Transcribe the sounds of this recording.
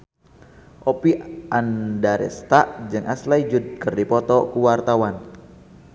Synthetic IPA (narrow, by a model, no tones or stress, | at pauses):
ʔɔpiandaɾɛ̰st̪aʔd͡ʒɨŋʔaslaid͡ʒud̪̚kərdipɔt̪ɔkuwart̪awan